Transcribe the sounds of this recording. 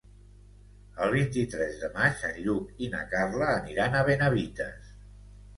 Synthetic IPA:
əlˠβ̞int̪it̪ɾɛzðəmat͡ʃəʎukinə̰karləːniɾanəβenəβit̪ə̰s

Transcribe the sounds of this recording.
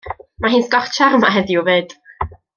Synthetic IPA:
maɦɨːnsɡɔrt͡ʃʰarmaɦɛðjuveːd̥

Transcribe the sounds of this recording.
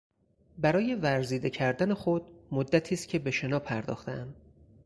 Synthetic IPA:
bæɾɒːje̞væɾziːd̪e̞cʰæɾd̪æne̞xod̪mod̪ːæt̪ʰiːst̪̚cʰe̞be̞ʃe̞nɒːpʰæɾd̪ɒ̰ːxt̪ʰeæm

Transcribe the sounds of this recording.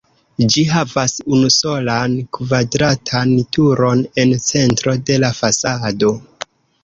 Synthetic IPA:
d͡ʒiɦavasunuso̞lankvadɾatʰantuɾo̞ne̞nt͡se̞ntɾo̞de̞lafasado̞

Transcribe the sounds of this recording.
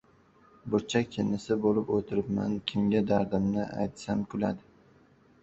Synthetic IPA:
bʊɾt͡ʃʰakʲʰɪnɪsɪbolɪpot̪ʰɪɾɪpma̰nkʲʰɪmɡʲad̪aɾd̪ɪmnɪʔa̰jt̪samkʰʊla̰d̪ɪ

